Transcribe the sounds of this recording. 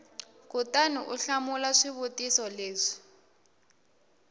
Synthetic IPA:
kutanuʔuɬamulaʂiβutʼisɔleːʂi̥

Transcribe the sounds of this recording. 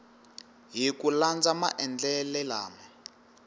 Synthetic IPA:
ɦikuland͡zama̰ʔɛnd͡ɮɛlɛlaːmɛ

